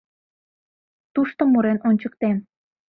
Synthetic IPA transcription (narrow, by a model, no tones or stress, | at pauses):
t̪uʃt̪omuɾenʔonʲt͡ɕək̚t̪em